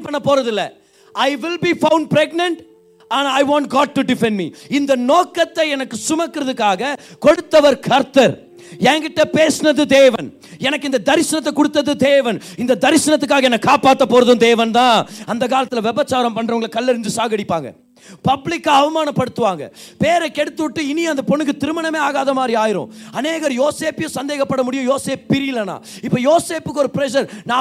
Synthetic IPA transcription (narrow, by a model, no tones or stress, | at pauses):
pːɐɳːɐpːoːɾɐðɪlːɐ | ɐɪʋɪlbiːfɐʊɳɖ̚pɾɛɡnɐɳʈ | ɐnɐɪʋãːɳʈɡaːʈ̚ʈuɖɪfɛ̃nmiːɪnd̪ɐnoːkːɐt̪ːɐɛnɐkːɯsʊmɐkːɯɾɐðɯkːaːɣɐkɔɽɯt̪ːɐʋɐɾkʰɐɾt̪ɐɾ | ɛːŋɡɪʈːɐpeːsɯnɐðɯd̪eːʋɐn | ɛnɐkːɯɪnd̪ɐd̪ɐɾɪsɐnɐt̪ːɐkːɔɽɯt̪ːɐðɯd̪eːʋɐnɪnd̪ɐd̪ɐɾɪsɐnɐt̪ːɯk̬ːaːɣɐɛnːɐkːaːpaːʈ̪ːɐpːoːɾɐðɯmd̪eːʋɐnt̪ãːɐnd̪ɐk̬aːlɐt̪ːɪlʋɛbɐt͡ʃːaːɾɐmpɐɳːɾɐʊŋɡɐɭkːɐlːɛɾɯɲd͡ʒɯsaːɣɐɽɪpːaːŋɡɐ̰ | pɐblɪkːɐɐʋɐmaːnɐpːɐɽɯt̪ːɯʋaːŋɡɐ̰peːɾɐkːɛɽɯt̪ːɯʋɪʈːɯɪnijɐnd̪ɐpɔnːɯkːɯt̪ɪɾɯmɐnɐmeːaːɣaːðɐmaːd̪ɾiaːjɪɾʊ̰̃ːɐneːɣɐɾjoːseːpɪjʊ̃sɐnd̪eːɣɐpːɐɽɐmʊɽɪjʊ̃joːseːppɪɾɪjɪlːɐna̰ː | ɪpːojoːseːpɯkːɔɾɯpɪɾɛʃɐɾnãː